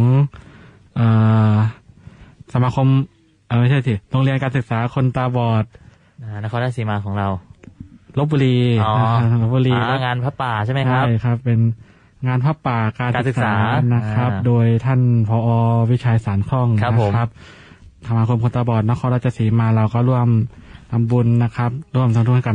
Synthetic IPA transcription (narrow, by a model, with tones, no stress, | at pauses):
ɔː˨˦ŋ | ʔɤː˨˩ | sa˩˦maː˧kʰo˧m | ʔaː˨˩ma˥˩t͡ɕʰa˥˩si˨˩lo˧ŋli˧ənkaː˧nsɯ˨˩k̚saː˩˦kʰo˧nt̪aː˧bɔː˨˩t̪̚ | aː˧˩na˦˥kʰɔː˧naː˥˧siː˨˦maː˧kʰɔː˩˦ŋɾa˧w | lo˦˥p̚bu˧liː˧a˧˩˧lo˦˥p̚buː˧liː˧lɛ˧˥ŋaː˧npʰaː˧˥˩paː˨˩t͡ɕʰa˥˩jma˥˦t͡ɕʰaa˥˦˥jkʰa˦˥pːe˧n | ŋaː˧npʰaː˧˥˩paː˨˩kaː˧naː˧ɯ˨sɯ˨˩k̚ssaː˩˨˦na˦˥kʰɾa˦˥doː˧jt̪ʰa˥˩npʰɔː˧˦ʔɔː˧wi˦˥˩t͡ɕʰaː˧jsaː˩˦nkʰɔ˥˩ŋʰ˦˧˦kʰa˦˥p̚ | t̪ʰa˧maː˧kʰo˧mkʰo˧nt̪aː˧bɔː˨˩t̪̚na˦˥kʰɔː˧nɾaː˥˩t͡ɕːa˧siː˨˩˦maː˧ɾa˧wkɔː˥˩ɾu˥˩əmnʰa˧mbu˧nːa˦˥kʰa˦˥p̚ɾu˥˩əmt̪ʰa˧u˥˩ŋʰa˥˩ka˧